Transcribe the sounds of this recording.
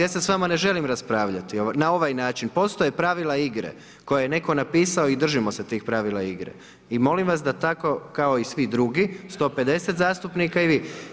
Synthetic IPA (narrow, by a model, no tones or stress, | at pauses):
esesʋamane̞ʒe̞limɾaspɾaːʋʎat̪ionao̞ʋajnaːt͡ʃinpo̞st̪o̞jepɾaʋilˠaiɡɾḛ | ko̞jajene̞ko̞napiːsao̞id̪r̩ʒimo̞set̪iːxpɾaʋilˠaiɡɾḛ | imo̞limʋas̬d̪at̪ako̞kao̞isʋid̪ɾuɡist̪o̞ːpe̞d̪e̞set̪zaːst̪upnikaiʋi